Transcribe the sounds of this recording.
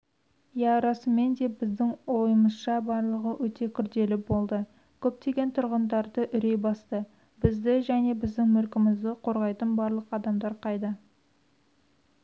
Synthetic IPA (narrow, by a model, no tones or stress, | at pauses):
jæɾɑsəmːe̞nd̪e̞bɪzd̪ɪŋwo̞jəməsʃɑbɑɾlˠəʁəwʔɵt̪e̞kʲʰʏɾd̪e̞lɪbo̞lˠd̪ə | kʲʰɵp̚t̪e̞ɡʲe̞nt̪ʰʊɾʁənd̪ɑɾd̪əʔʏɾe̞jbɑst̪ə | bɪzd̪ɪʒæne̞bɪzd̪ɪŋmʏɾkʲɪmɪzd̪ɪqʰo̞ɾʁɑjt̪ənbɑɾlˠəqɑd̪ɑmd̪ɑɾqʰɑjd̪ə